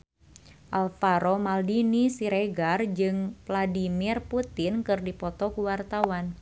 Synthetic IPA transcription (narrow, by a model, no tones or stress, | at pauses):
ʔalfaɾomaldinisiɾeɡard͡ʒɨŋvladimirput̪ɪnkɨrdipɔt̪ɔkuwart̪awan